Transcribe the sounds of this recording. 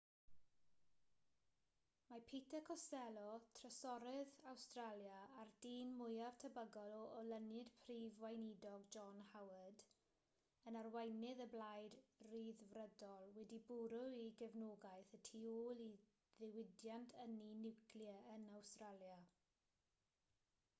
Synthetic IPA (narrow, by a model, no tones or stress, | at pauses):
mapʰetʰɛkʰɔsɛlˠɔtʰrəsɔɾɛðawstraljaːrd̥iːnmʊjav̥tʰəbəɡɔlɔɔlənɨd̥pʰriːvwajnidɔɡd͡ʒɔnhawəd | ənarwajnɪðəblajdriːðvrədɔlˠwɛdibʊɾʊiɡɛvnoɡajθətʰiːoːlˠi | ðɪwɪdjantʰəninɪwkʰljəənawstralˠja